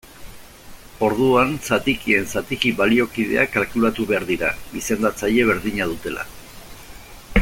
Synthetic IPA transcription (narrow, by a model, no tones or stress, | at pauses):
o̞ɾðuansat̪ikie̞nsat̪ikiβalio̞kið̞e̞̰akalkulat̪uβe̞aɾðiɾaβise̞nd̪at͡saje̞β̞e̞ɾðiɲað̞ut̪e̞la̰